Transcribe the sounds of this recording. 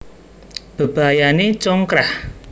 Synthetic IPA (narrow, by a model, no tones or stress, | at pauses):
b̥ə̤b̥a̤janet͡ʃɔŋkɾah